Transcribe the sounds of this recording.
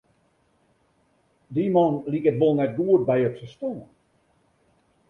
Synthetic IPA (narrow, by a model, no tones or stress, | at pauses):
dimɔnlikət̚bolˠnɛt̚ɡuət̚bɛjɔpsəstoːən